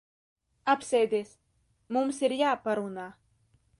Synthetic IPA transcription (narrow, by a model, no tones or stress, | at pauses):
apsɛjd̪ʲeːs | mumsiɾjaːpaɾunaː